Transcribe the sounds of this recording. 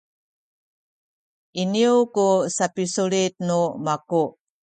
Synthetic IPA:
iniukusapisuɭit̪̚numaku

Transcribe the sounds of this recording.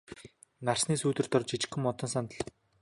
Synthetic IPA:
narsniːsuːt̪ɘ̆r̥t̪ɔrt͡ɕʰit͡ɕɪ̆xɵ̆mːɔt̪ɞ̆nsant̪ə̆ɮ

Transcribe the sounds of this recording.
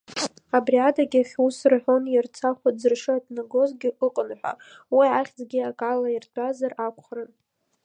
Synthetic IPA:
abriadaɡʲaχʲusrħʷᶣonjɪrt͡sʰaχʷad͡zɨrʂɨatʼnaɡo̞zɡʲɪʔɨqʼənħʷᶣa̰ | wiʕaχʲd͡zɡʲiakʼalairtʷʰʼazarakʷʰʼχrɨn

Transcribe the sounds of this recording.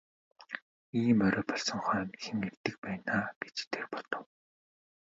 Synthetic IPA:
iːmœɾɔːpɔɮsɞ̆ŋχœːnxemɡert̪ɘ̆k̚pæːnaːke̥t͡ɕt̪ʰerpɔt̪ɞ̆w

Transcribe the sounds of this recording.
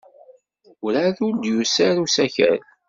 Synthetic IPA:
ʊɾaðʊɾd̪jusæɾusæçə̰ɾ

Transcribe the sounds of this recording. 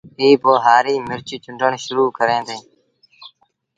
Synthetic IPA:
ɦiːboːɦaːɾiːmɪɾt͡ʃiːt͡ʃʊɳɖəɳʃʊɾuːkəɾẽːd̪ẽː

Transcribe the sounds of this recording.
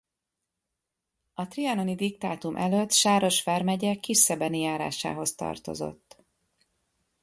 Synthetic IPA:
ɒt̪riɒno̞nid̪ik̚t̪aːt̪umʔɛløt̪ːʃaːɾo̞ʃfɛrmɛɟɛkiʃːɛbɛnijaːɾa̰ːʃa̰ːɦo̞st̪ɒ̰rt̪o̞̰zo̞̰t̪ː

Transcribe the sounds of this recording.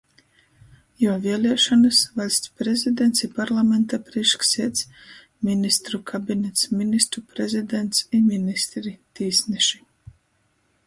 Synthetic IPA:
jaːviɛlʲiɛʃɔnɨsvalʲsʲt̪pɾezid̪ɛnt̪sipaɾlˠamɛnt̪apɾiʃksiɛt̪s | minist̪ɾukʰabʲinʲɛt̪sminist̪ɾupɾezʲid̪ɛnt̪siminist̪ɾit̪iːsnɛʃi

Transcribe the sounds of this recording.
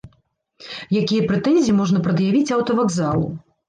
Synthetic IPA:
jakʲijɐpɾɛt̪ɛnʲzʲiimɔʐnɐpɾɐd̪javʲit͡sʲɐwt̪ɐvaɡzalˠṵ

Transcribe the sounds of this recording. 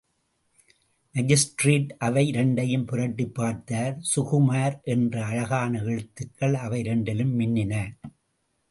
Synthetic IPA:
mɐd͡ʒɪsʈɾeːʈʔɐʋɐɪɾɛɳɖɐjɯmpʊrɐʈːipːaːɾt̪aːɾsʊɣʊmaːɾʔɛndrɐɐɻɐɣaːnɐɛɻɯt̪ːɯkːɐɭɐʋɐɪɾɛɳɖɪlɯmːɪnːɪnɐ

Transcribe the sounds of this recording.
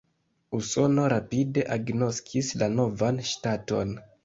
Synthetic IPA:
uso̞no̞ɾapide̞ʔaɡno̞skʰislano̞vanʃtato̞̰n

